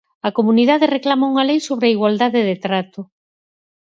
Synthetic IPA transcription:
ɐkomuniðaðereklamauŋɐlejsoβɾaiɣwald̪aðɪðet̪ɾat̪ʊ

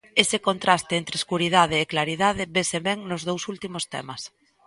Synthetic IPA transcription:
esɪkont̪ɾast̪eent̪ɾɪeskuɾið̞að̞ɪːklaɾiðað̞ɪβeseβɛŋnozð̞owsult̪imost̪ɛ̰mɐs

